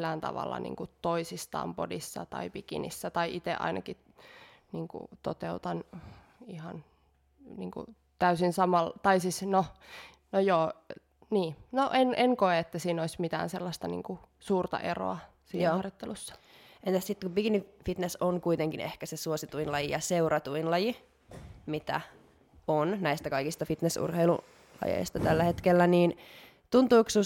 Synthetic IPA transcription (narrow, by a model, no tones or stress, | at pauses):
æːnt̪ɑ̰ʋɑ̰lːɑ̰nḭːŋkut̪oisist̪ɑ̰ːmpodisːɑ̰t̪ɑ̰ipikḭnḭsːæt̪ɑiʔit̪eʔɑ̰inʔɑki | niːŋkṵt̪ot̪eut̪ɑn | ihɑn | niːŋkṵ | t̪æysinsɑmɑlt̪ɑisisno | nojoː | niːnoʔenʔenkoeet̪ːæsiːnoismit̪æ̰ːnselːɑst̪ɑnḭːŋkusuːrt̪ɑ̰ʔḛro̰ɑ | siːnːɑrjot̪ːelusːɑ̥ | ent̪æssit̪ːkubiɡinifit̪nesoŋkuit̪eŋkinḛhkæsesuosit̪uinlɑjijɑseurɑt̪uinlɑji | mit̪æ̰ | onnæist̪ækɑikist̪ɑfit̪nesṵrheilṵ | lɑ̰jḛist̪ɑt̪ælːæhet̪kelːæniːn | t̪unt̪uːksu